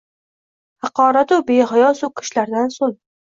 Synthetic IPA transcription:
hɑqʰɒːɾat̪ʊbeɦajɒsʊkʰɪ̥ʃlaɾd̪ansoŋ

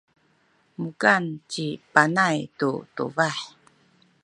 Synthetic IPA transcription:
muɡant͡ɕipanajtutṵvaħ

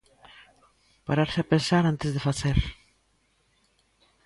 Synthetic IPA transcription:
paɾaɾsɪapensaɾant̪ɪzðefaθeɾ

